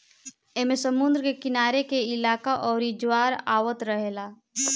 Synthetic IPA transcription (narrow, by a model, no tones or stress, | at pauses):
eːmẽsəmʊ̃nd̪ɾəkekɪnaːɾekeɪlaːkaʔɔːɾid͡ʒwaːɾa̰ːwət̪ɾəɦeːlaː